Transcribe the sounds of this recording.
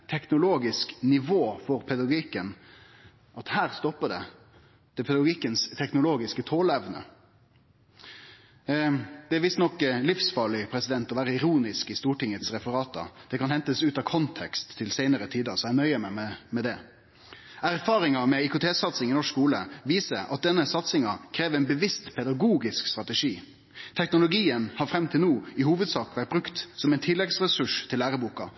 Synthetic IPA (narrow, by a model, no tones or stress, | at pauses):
t̪ʰɛknʊloːɡɪsknɪʋoːfɔɾpʰɛd̪ɑɡiːkən | ʔɑt̪hæːɾst̪ɔpːəɖɛ̰ | d̪̥ɛpʰɛd̪ɑɡɡiːkːənst̪ʰɛknʊloːɡɪskət̪ʰoːləɛʋnə̰ | d̪̥ɛæɾʋɪst̪nɔkːlɪfsfɑːɭɪpʰɾɛsɪd̪ɛnt̪ɔʋæːɾəɪɾuːnɪskɪst̪uːʈɪŋət̪sɾɛfəɾɑːt̪ɑ̰d̪̥ɛkʰɑnhɛnt̪əsʉːt̪ɑkʰɔnt̪ʰɛkst̪ʰːɪlseɪnəɾət̪ʰiːd̪ɑsɔænœʏəmɛmɛmɛd̪ɛ | æɾfɑːɾɪŋɑmɛɪkʊt̪ʰeːsɑt̪sɪŋɪnɔʂskuːlə̰ʋiːsəɾɑ̰t̪̚d̪ɛnːəsɑt̪sɪŋɑkʰɾeːʋɛɪnbəʋɪst̪pʰɛd̪ɑɡuːɡɪskst̪ɾɑt̪əʂiː | t̪ʰɛknʊlʊɡiːənhɑɾfɾɛmt̪ʰɪlnuːɪhuːʋəd̪sɑːkʋæʈ̚bɾʉkt̪sɔmɛɪnt̪ʰɪlːɛɡsɾɛsʉʂt̪ʰɪlːæːɾəbuːkɑ